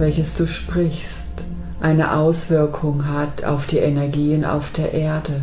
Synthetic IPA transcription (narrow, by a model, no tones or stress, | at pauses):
vɛlçəsd̥uːʃpʁ̥ɪçs | t | ʔaɪnə̰ʔaʊsv̥ɪɐkʰʊŋɦatʰa̰ʊfd̥iːʔɛnɛɐɡiːəna̰ʊfd̥eːɐʔeːɐdə